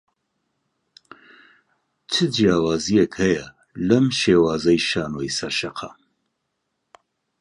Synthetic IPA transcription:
t͡ʃʰɨd͡ʒijaːwaːzijɛkhɐjɐ | lɐmʃeːwaːzɐjʃaːnoːjsɐɾʃɐqʰɑ̰

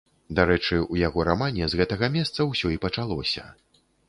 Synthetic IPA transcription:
d̪aɾɛt͡ʂɨujaɣɔɾamanʲɛzɣɛt̪ɐɣɐmʲɛst̪sɐwsʲɔipɐt͡ʂalˠɔsʲɐ̰

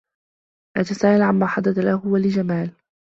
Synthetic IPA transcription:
ʔat̪asaːʔalʕammaːħad̪ːad̪alahʊwalɪd͡ʒamaːl

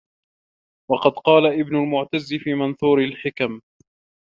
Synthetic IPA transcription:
wɑqɑd̪qɑːlaʔɪbnʊlmʊʕt̪azːɪfiːmanθuːɾɪlħɪkam

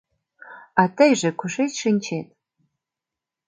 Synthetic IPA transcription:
atʰɐjʐɐkʷʰʊʂejtʂɨnʲt͡ʃʰetʼ

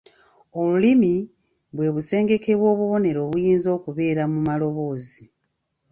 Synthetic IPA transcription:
o̞lulimi | βwe̞ːβuse̞ːŋɡe̞ke̞βwo̞ːβuβo̞ne̞ɾo̞ːβujiːnzo̞ːkuβe̞ːɾamumalo̞βo̞ːzi

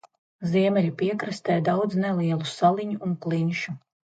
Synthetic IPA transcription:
zʲiɛmʲɛlʲupʲiɛkɾast̪ɛːjd̪awd̪znɛlˠiɛlˠusalˠiɲuːnklˠinʲʃu

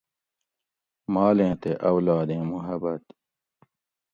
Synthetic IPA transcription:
maːlẽːt̪eʔɐwlaːd̪ẽːmuɦɐbɐt̪

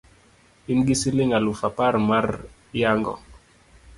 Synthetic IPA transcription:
imɡisilɪŋalufapaɾmaɾ | jaŋɡɔ̰

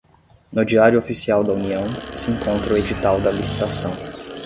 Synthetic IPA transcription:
nʊd͡ʒiaɾjʊofisiawd̪ɐuniɐ̃w̃sɪẽŋkõnt̪ɾʊed͡ʒit̪awd̪ɐlisi̥t̪asɐ̃w̃

